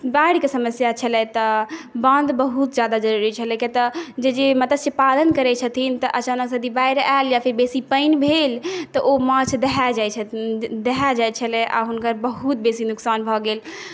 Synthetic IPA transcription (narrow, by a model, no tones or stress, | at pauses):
baɽikesəməsjat͡ʃʰəlɛt̪ɔbənd̪bəɦut̪d͡ʒjad̪ad͡ʒəɾuɾit͡ʃʰəlɛket̪ɔd͡ʒed͡ʒemət̪əssepalənkəɾɛt͡ʃʰət̪ʰint̪ɔʔət͡ʃanəksəd̪ʱibajɾaljapʰiɾbesipəɪnbʱelt̪ɔʔomət͡ʃʰd̪eɦad͡ʒajt͡ʃʰɛd̪eɦad͡ʒajt͡ʃʰəlɛʔa̰ɦunkəɾbəɦut̪̚besinuksanbʱɔɡel